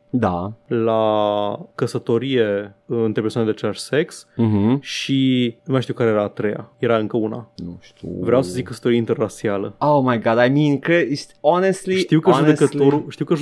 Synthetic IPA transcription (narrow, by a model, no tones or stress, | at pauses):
d̪ala | kəsət̪o̞ɾijeɨnt̪ɾepesoaned̪eat͡ʃelaʃseks̩ɦ̩ʃinumajʃt̪iuwkaɾejeɾaːt̪ɾeja̰jeɾaɨŋkəuna̰nuʃt̪ḭvɾeawsəzikːəsət̪oɾieint̪erːasialəowmajɡɑd̪ajmĩnkɾesɔnest̪liʃt̪iwkəʒdueskət̪oɾuʃt̪iwkəʒ